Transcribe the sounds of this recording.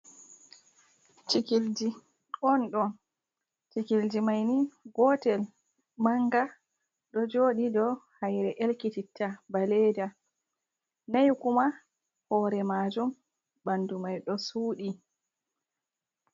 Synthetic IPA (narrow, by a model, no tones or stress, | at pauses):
t͡ʃikild͡ʒi | ɔnɗɔn | t͡ʃikild͡ʒimajniɡɔtɛl | maŋɡa | ɗɔd͡ʒoːɗidɔhajɾɛʔelkititʰːabaleda | najkuma | hɔːɾɛmad͡ʒum | bandumajɗɔsuːɗi